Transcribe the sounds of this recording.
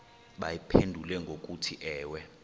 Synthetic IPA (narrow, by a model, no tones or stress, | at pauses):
ɓajipʰendʱulɛŋɡʱok̬ʼutʰiʔɛːwɛ